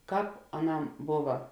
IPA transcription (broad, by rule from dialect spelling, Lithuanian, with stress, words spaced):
ˈkɑːp ɐˈnɐm ˈboːʋɐ